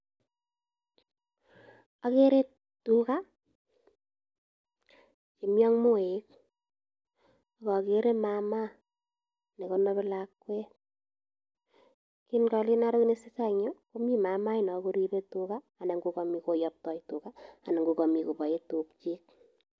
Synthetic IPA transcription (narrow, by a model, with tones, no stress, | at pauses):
a˦ke˦ɾe˦ | tuka˦ | t͡ʃi˨mjɔ˦ŋmo˦e˦k̚ | ɔ˨kɔ˨keɾe˦mama˦ | ne˨kono˦βe˦lakwɛ˦ | ki˦nkɔ˧li˦na˦ɾo˦kne˦si˦sa˦ɲo˦ko˦mi˦ma˨ma˦inɔ˨ku˦ɾipe˦tukaː˦˨ne˨ŋɡu˧kɔmiko˨jɔp̚tɔ˦jtu˨kaː˨ne˨ŋɡu˨kɔ˨mi˨ko˨bɔ˨e˦tuk̚t͡ʃi˦k̚